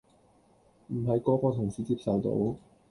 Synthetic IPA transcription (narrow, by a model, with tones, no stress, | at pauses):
m̩˨˩ɦɐ˨jkɔː˧kɔː˧t̪ʰʊ˨˩ŋsiː˨˧t͡siː˧p̚sɐ˨wt̪o̰˨˥w